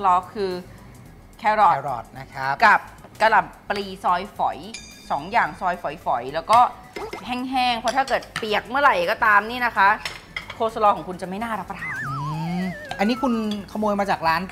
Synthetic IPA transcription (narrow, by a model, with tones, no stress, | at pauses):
lɔː˧kʰɯː˧ | kʰɛː˧ɾɔː˨˩ɾɔ̰ː˨˩t̪̚na˦˥kʰa˦˥ka˨˩p̚ka˧la˨˩t̪̚pliː˧sɔː˧jfɔ˩˦j | sɔː˩˦ŋjaː˨˩ŋsɔː˧jfɔ˩˦jfɔ˩˦jlɛː˦˥wkɔː˥˩ | hɛː˥˩ŋɦɛː˥˩ŋpʰɔ˧˦˥t̪ʰaː˥˩kɤː˨˩t̪̚pi˨˩ək̚mɯ˥˩ɐɾa˨˩jkɔː˥˩t̪aː˧mniː˥˩na˦˥kʰa˦˥ʔ | kʰoː˧˥sa˧lɔː˧kɔː˩˦ŋkʰu˧nt͡ɕa˨˩ma˥˩jnaː˥˩ɾa˦˥pːa˧t̪ʰaː˨˩˦nɯː˧˩ʔa˧nːi˦˥kʰu˧nkʰa˧moː˧jmaː˧t͡ɕaː˨˩k̚ɾaː˦˥n